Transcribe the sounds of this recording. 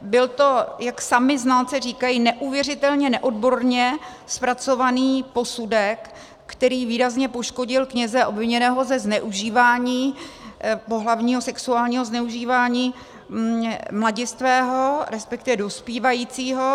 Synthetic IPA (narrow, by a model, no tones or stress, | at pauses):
bɪlt̪o̞jaksamɪznaːt͡sɛriːkajinɛʔuvjɛrɪt̪ɛlɲɛnɛʔo̞dbo̞ɾɲɛ | spɾat͡so̞vaniːpo̞sudɛkː | t̪ɛɾiːviːɾazɲɛpo̞ʃko̞ɟɪlkɲɛzɛʔo̞bvɪɲɛnɛːɦo̞zɛznɛʔuʒiːvaːɲiː | po̞ɦlavɲiːɦo̞sɛksuaːlɲiːɦo̞znɛuʒiːvaːɲiː | mlaɟɪst̪vɛːɦo̞ɾɛspɛk̚t̪ɪvɛdo̞spiːvajiːt͡siːɦo̞